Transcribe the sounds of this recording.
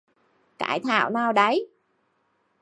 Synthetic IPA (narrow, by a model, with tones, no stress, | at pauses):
ka̰ː˧˩jt̪ʰa̰ː˧˩˨wnaː˧wɗə˨˦j